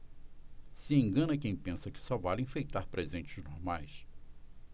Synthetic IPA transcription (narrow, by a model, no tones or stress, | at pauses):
sɪẽŋɡɐ̃nɐkẽj̃pẽsɐkɪ̥sɔvalĩfejt̪aɾpɾezẽnt͡ʃɪ̥znoɾmajs